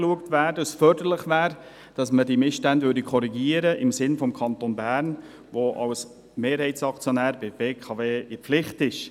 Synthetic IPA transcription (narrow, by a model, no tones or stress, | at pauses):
luəktvæːɾdɑsfœɾdəlɪχvæːɾ | d̥ɑsmədimɪsʃtændvʏɾdikʰɔɾiɡiːəɾəʔɪmsɪnfɔmkʰɑntonbæːɾn | ʋoʔɑ̰ls | meːɾhɛɪtt͡sɑkt͡sjonæːɾbɪb̥eːkʰɑveːɪpflɪχtɪʃ